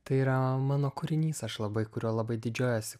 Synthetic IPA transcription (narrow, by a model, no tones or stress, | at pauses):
t̪ɐɪiːɾɐmɑːnoːkʊɾʲɪnʲiːsɐʃlˠɐbɐɪkʊɾʲoːlˠɐbɐɪd̪ʲɪd͡ʒʲoːjoːsʲɪ